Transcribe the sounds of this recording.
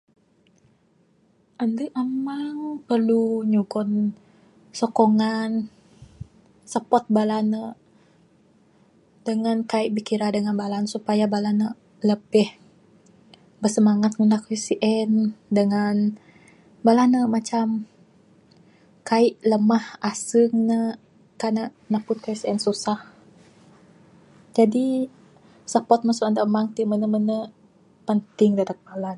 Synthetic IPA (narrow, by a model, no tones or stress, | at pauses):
ʔandəʔamaŋpərluɲuɡɔn | sɔkoŋan | səpɔt̪̚balanə | dəŋankaiʔbikiɾadəŋanbalansupajabalanə | ləbɛh | bərsəmaŋat̪̚ŋunakwisiʔɛndəŋan | balanəmat͡ʃam | kaiʔləmahʔasəŋnə | kanaʔnapʊt̪̚kaisiɛnsusah | d͡ʒadi | sapɔt̪̚masuandaʔmaŋt̪imənəmənə | pənt̪ɪŋdadak̚balan